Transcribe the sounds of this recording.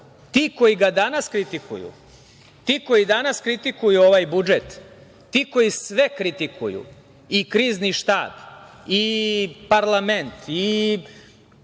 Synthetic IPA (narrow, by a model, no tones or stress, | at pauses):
t̪iːko̞jiɡad̪anaskɾit̪ikṵjṵ | t̪iːko̞jid̪anaskɾit̪ikujuo̞ʋaːjbud͡ʒet̪ː | iːko̞jisʋekɾit̪ikʰṵjṵ | ikɾiːzniʃt̪a̰ːb | ipaɾlˠament̪i